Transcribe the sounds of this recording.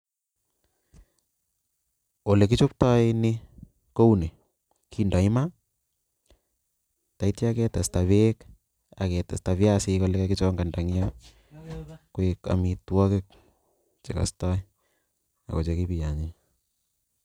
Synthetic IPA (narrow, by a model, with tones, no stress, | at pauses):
o˨le˨k̬i˦t͡ʃo˦p̚ta˦inɪ | ko˦u˦ne˨ | kʰinda˨ɪ˦ma˦ | ta˨itja˦kɛ˦ta˨sta˨βek | a̰˨kɛ˨ta̰˨sta˨βjasɪko˦lɛ˦kɛkɪ˦t͡ʃɔ˦ŋɡa˨nda˨ŋja | kweka̰˨mi˨twɔ˦kɪ˦k̚ | t͡ʃe˨ka̰˨sta˦i | a̰˨ko˨t͡ʃeki˦pi˨ja˨ɲi